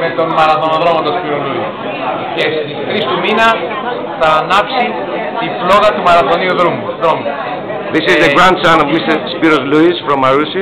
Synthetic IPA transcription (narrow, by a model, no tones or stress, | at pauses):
me̞t̪o̞nmɐɾɐθo̞noðɾo̞mɐt̪ospiɾolui | ce̞st̪ixɾist̪uminɐ | θɐːnɐpsi | t̪iflo̞ɣɐt̪umɐɾɐθo̞niuðɾumuðɾomu | ðisizðəɡɾãndsãnovmist̪əspiɾozluisfɾõmːɐɾusi